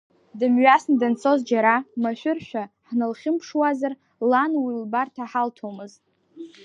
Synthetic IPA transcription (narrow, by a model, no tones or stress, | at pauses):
dɨmɥasnadant͡sʰo̞zd͡ʒaɾamaʃʷᶣʊrʃᶣaħnalχʲɪmpʰʂwazar | lanwilbartʰaħaltʰomɨztʼ